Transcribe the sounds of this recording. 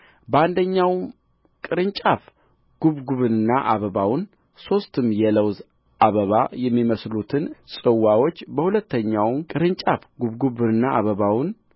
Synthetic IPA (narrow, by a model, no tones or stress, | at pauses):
bəand̪əɲːawm | kʼɨɾɨnt͡ʃʼaf | ɡ̥uβɡuβɨnɨnːaʔaβəβawn | so̞st̪ʰɨmjɛləwz | ʔaβəβajɛmːiməslut̪ʰɨnsʼɨwːawo̞t͡ʃːbəhulət̪ːəɲːawmkʼɨɾɨnt͡ʃʼafɡuβɡuβɨnɨnːaʔaβəβawn